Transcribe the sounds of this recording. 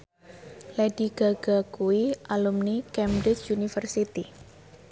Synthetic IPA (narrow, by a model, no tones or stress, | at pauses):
lɛdiɡ̥aɡ̥akuiʔalumnikɛmɾɪt͡ʃunifərsit̪i